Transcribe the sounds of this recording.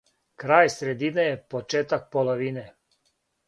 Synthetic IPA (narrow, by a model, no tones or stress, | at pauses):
kɾaːjsɾɛd̪iːnɛjɛpot͡ʃeːt̪ak̚poloʋiːnɛ